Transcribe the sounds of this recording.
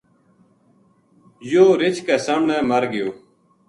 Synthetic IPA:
joːɾɪt͡ʃkɛːsəmɳeːməɾɡɪjoː

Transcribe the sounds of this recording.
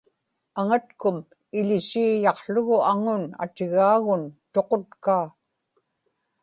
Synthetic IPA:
aŋat̪kʊm | ɪlɪsiːjɑqɬʊɣʊaŋʊna̰t̪ɪɣaːɣʊnt̪o̞qo̞t̪kaː

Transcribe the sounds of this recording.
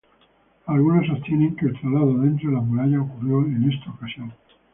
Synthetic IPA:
alɣunasot̪jeneŋkeːlt̪ɾalaðoðe̞nt̪ɾoelamuɾaʝaokurjoene̞st̪aokasjoŋ

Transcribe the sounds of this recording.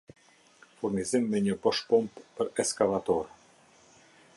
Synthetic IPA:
fuɾnizimːɛɲəbɔʃpumppəɾɛskalat̪ɔɾ

